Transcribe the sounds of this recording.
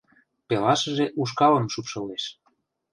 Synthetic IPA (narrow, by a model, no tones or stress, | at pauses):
pelɑʃəʒeʔuʃ̬kɑləmʃupʃəleʃ